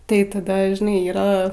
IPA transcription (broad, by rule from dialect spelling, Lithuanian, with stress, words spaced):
tɐɪ tɐˈdɐ ʒʲɪˈnɐɪ ˈiːrɐ